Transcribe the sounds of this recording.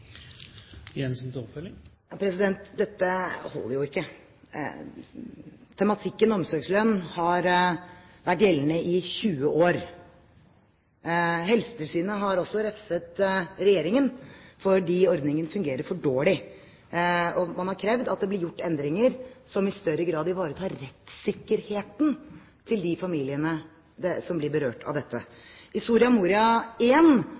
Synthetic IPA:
jɛnsnt̪ɔpfœlɪŋjɑpʰɾɛsɪd̪ɛnt̪d̪ɛt̪ːəhɔ̰lːə̰jʊɪkːə̰ | t̪ʰɛmɑt̪ʰɪkːənɔɔmsɔɾɡslœnːhɑɾ | ʋæʈːjɛlnəʔɪçʉːəʔoːɾ | ɦɛlsə̥t̪ʰɪlsyːnəɦɑɾɔsːɔɾɛfsət̪ɾɛjeːɾɪŋənfɔɖiːɔɾd̪nɪŋənfʉŋɡeːɾəɾfɔɖoːɭɪ | ɔmɑnhɑɾkʰɾɛʋd̪ɑt̪̚d̪ɛblɪɾjʊʈːɛnd̪ɾɪŋəɾsɔmɪst̪œɾəɡɾɑːd̪ɪʋɑːɾət̪ʰɑːɾɾɛt̪sɪkːəɾheːt̪n | t̪ʰɪld̪ɪfɑmiːlɪənə | sɔmblɪbəɾøːʈʰɑ̰ʋd̪ɛt̪ːə̰hɪst̪uːɾɪɑmuːɾɪɑeːn

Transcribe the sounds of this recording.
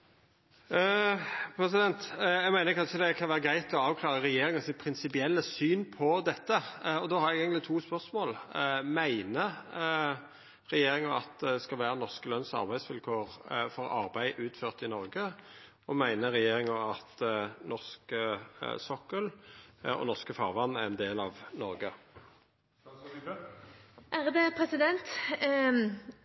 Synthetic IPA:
pʰɾɛsɪd̪ɛnt̪jæɡmæɪnəɾkʰɑnʂəd̪ɛkʰɑnʋæːɾəɡɾæɪt̪ʰlɔɑːʋkʰlɑːʁəʁɛjeːɾɪŋəsɪt̪pʰɾɪnsɪpɪɛlːəsyːnpʰɔd̪ɛt̪ːəɔd̪oːhɑɾɛɡeːɡənlɪt̪ʰuːspœʁsmoːlmæɪnə | ʁɛjeːɾɪŋɑɑt̪d̪ɛskɑlʋæːɾənɔʁskəlœnsɑ̰ɾbæɪsʋɪlkʰoːʁfɔɾɑ̰ɾbæɪʔʉːt̪føːʁt̪ɪnɔʁɡə | ɔmæɪnəʁɛjeːɾɪŋɑɑt̪nɔʁskəsɔkːəlɔ̰nɔʁskəfɑʁʋɑnːæʁɛnd̪eːlɑʋnɔɾɡə | ʔæʁd̪ɛpʰɾɛsɪd̪ɛnt̪

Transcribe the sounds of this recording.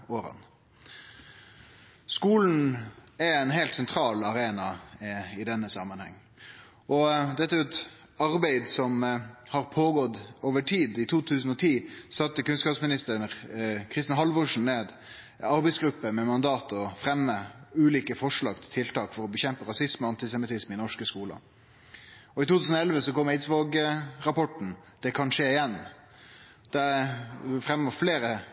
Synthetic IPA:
oːɾɑ̰n | skuːln̩ɛɛɪnɦæɪlt̪sɛnt̪ʰɾɑːlɑɾeːnɑɪd̪ɛnːəsɑmənhɛ̰ŋː | ʔɔd̪ɛt̪ːəɛt̪ | ɑɾbæɪd̪sɔmhɑɾpʰoːɡɔd̪oːʋəʈʰiːd̪ɪt̪ʰuːt̪ʰʉːsn̩ɔt̪ʰiːsɑt̪ːəkʉnskɑːpsmɪnɪst̪ə | kʰɾɪst̪ɪnɑɦɑlʋʊʂn̩neːd̪ | ɑɾbɛɪsɡɾʉpːəmɛmɑnd̪ɑːt̪ɔfɾɛmːəʉːliːkəfɔʂɭɑːɡt̪ʰɪlt̪ʰɪlt̪ɑːkfɔɾɔbəçɛmpəɾɑsɪsməɑnt̪ɪsɛmɪt̪ɪsmɪnɔʂkəskuːlə̰ | ɔɪt̪uːt̪ʉːsnɔɛlʋəsɔkɔmːeɪt̪sʋɑːɡəɾɑpɔʈn̩ | d̪̥ɛkʰɑnʂeːɪjɛnː | d̪̥æ | fɾɛmːəfleːɾə

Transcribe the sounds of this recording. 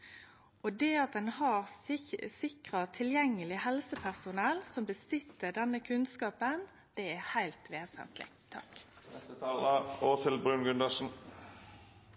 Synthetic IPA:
ɔd̪ɛɑt̪̚d̪ɛnhɑɾsɪkʁɑt̪ʰɪljɛŋːəlɪhɛlsəpʰæʁsʊnɛlsɔmbəsʏt̪ːəɖɛnːəkʰʉnskɑːpən | d̪̥ɛæhæɪlt̪ʋeːsə̰nt̪ʰlɪ̰t̪ʰːɑ̰k̪ | ɛst̪ət̪ʰɑːləoːsɪlbʁʉnɡʉnd̪ɑʂn̩

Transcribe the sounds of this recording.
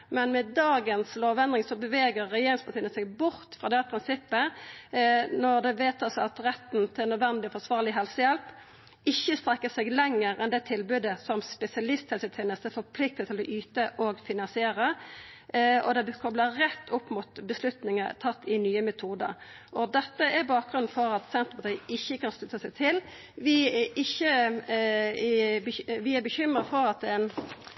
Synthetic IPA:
mɛnmɛd̪ɑːɡənsloːʋɛnd̪ʁɪŋsɔbəʋeːɡəʁːɛjeːɾɪŋspʰɑt̪iːənəsɛɡ̚bʊʁt̪fʁɑːd̪ɛpʰʁɪnsɪpːə | nɔʁd̪ɛʋeːt̪ɑsɔɑt̪ɾɛt̪n̩t̪ʰɪlnœd̪ʋɛnd̪ɪɔfɔsʋɑːʁlɪɦɛlsəjɛlp | ɪçːəst̪ɾɛkːəsɛɡlɛŋːəɾɛnd̪ɛt̪ʰɪlbʉːd̪əsɔmspɛsɪɑlɪst̪hɛlsət̪ʰɛːnəst̪əfɔɾpʰlɪk̚t̪ət̪ʰːɪlɔʔyːt̪əʔoɡfɪnɑnsɪeːɾə | ɔ̰d̪ɛbkʰɔbləɾɛt̪ːʊpːmʊt̪bəslʉt̪nɪŋət̪ʰɑt̪ːɪnyːəmɛt̪ʰuːd̪ə̰ɾ | ʔɔd̪ɛt̪ːəʔæbɑːk̚ɡʁʉnn̩fɔɾɑt̪sɛnt̪əpɑt̪ʰiːʔɪçːəkʰɑnst̪ʉt̪ːəsɛɡt̪ʰɪl | ʋɪʔɪçːə | ʋɪæbəçʏmɾəfɔɾɑt̪ɛn

